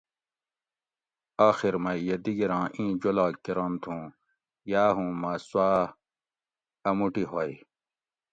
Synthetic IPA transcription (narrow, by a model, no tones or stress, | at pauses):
aːxiɾmɐjed̪iɡiɾãːʔĩːd͡ʑolaːkkːiɾɐmt̪ʰũː | jaːɦũːmɐswaː | ɐmuʈiɦoi